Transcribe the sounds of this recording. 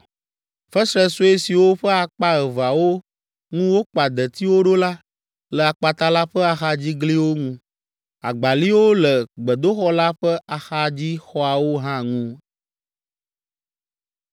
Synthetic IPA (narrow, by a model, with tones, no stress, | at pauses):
fɛ˦sɾɛ˦so˦e˦si˨wo˦ɸə˦a˨k͡pa˦ə˨va˨wo˦ | ŋũ˦wo˦k͡pa˨d̪ə˨t̪i˦wo˦ɖo˦la˦ | lə˨a˨k͡pa˨t̪a˦la˦ɸə˦a˨xa˦d͡ʑi˦ɡli˦wo˦ŋũ˦ | a̰˨ɡ͡ba˨li˦wo˦lə˨ɡ͡bə˨d̪o˦xɔ˦la˦ɸə˦a˨xa˦d͡ʑi˦xɔ˦a˨wo˦ɦã˦ŋũ˦